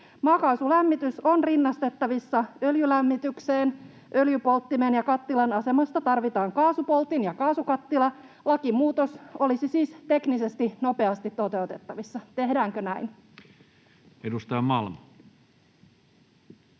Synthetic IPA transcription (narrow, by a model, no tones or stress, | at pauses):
mɑːkɑsulæmːit̪yso̞nrinːɑst̪e̞t̪ːɑʋisːɑøljylæmːit̪ykseːn | ʔøljypo̞lt̪ːimenjɑkɑt̪ːilɑnɑse̞mɑst̪ɑt̪ɑrʋit̪ɑːŋkɑːsupo̞lt̪injɑkɑːsukɑt̪ːilɑ | lɑkimuːt̪oso̞lisisiːst̪e̞knise̞st̪ino̞peɑst̪it̪ːo̞t̪e̞ut̪e̞t̪ːɑʋisːɑt̪e̞ɦdæːŋkønæin | edust̪ɑjɑmɑlmɑ